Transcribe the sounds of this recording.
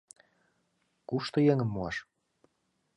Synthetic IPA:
kuʃt̪ŏjĕŋə̆mːuɑʃ

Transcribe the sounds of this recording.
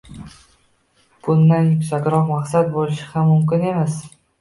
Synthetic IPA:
b̥ʊnːanʲʃat̪ʲɾɒqmaqsat̪̚bolɪʃɪhamːʊmkʲɪne̞mas

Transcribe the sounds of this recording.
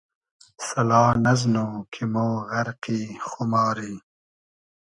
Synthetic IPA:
sɐlɑːnɐznoːkʰimoːɣɐɾqiːxumɑːɾiː

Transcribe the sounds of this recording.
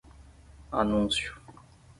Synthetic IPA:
a̰nũnsju̥

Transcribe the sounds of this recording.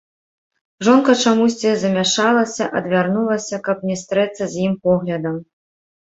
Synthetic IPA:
ʐɔnkɐt͡ʂamusʲt͡sʲizɐmʲaʂalˠɐsʲɐʔɐd̪vʲarnulˠɐsʲɐkɐp̚nʲɛst̪ɾɛt̪sːɐzʲjimpɔɣlʲɐd̪ɐm

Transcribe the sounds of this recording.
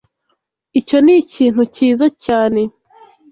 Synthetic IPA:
ico̞niciːn̥huciːzacaːne̞

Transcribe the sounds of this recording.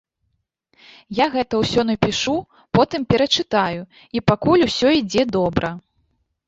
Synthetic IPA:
jaɣɛt̪ɐwsʲɔnɐpʲiʂu | pɔt̪ɨmpʲɛɾɐt͡ʂɨt̪aju | ipakulʲusʲɔid͡zʲɛd̪ɔbɾʔɐ

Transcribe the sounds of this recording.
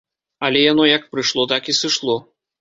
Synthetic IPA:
ɐlʲɛjanɔjɐkpɾɨʂlˠɔt̪akisɨʂlˠɔ

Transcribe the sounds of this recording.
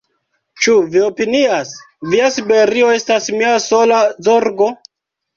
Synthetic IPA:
t͡ʃuvio̞pinias | viasibe̞ɾio̞e̞stasmiaso̞lazoɾɡo̞

